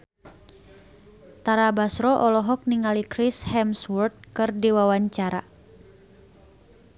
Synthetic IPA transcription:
t̪aɾabasɾɔʔɔlɔɦɔk̚niŋalikɾishɛmswurt̪̚kɨrdiwawaɲt͡ʃaɾa̰

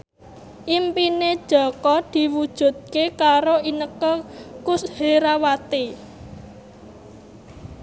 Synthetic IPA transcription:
ʔimpined̥ʒ̥ɔ̤kɔd̪̥i̤wud̥ʒ̥ṳt̪̚kekaɾoinəkɔkusheɾawat̪i

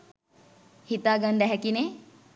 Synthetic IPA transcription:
hit̪aːɡɐnd̪ɛɦɛkine

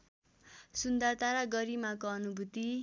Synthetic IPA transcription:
sund̪at̪aɾaɡʌɾimakoʌnubʱut̪i

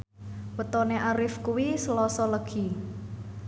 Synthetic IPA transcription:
wət̪ɔneʔaɾɪfkuwisəlɔsɔləɡ̥i̤

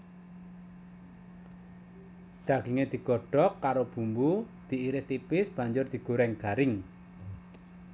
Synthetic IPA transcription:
d̪̥ä̤ɡ̥iŋed̪̥i̤ɡ̥ɔɖ̥ɔkːaɾob̥ṳmbu | d̪̥i̤iɾɪst̪ipɪsb̥ä̤ɲd͡ʒʊrd̪̥i̤ɡ̥ṳɾɛŋɡ̥aɾɪŋ

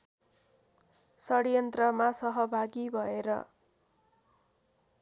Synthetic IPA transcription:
sʌɽjʌnt̪rʌmasʌɦʌbʱaɡibʱʌeɾʌ̰

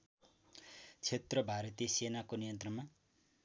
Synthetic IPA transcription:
t͡sʰet̪rʌbʱaɾʌt̪ijʌsenakonijʌnt̪rʌma

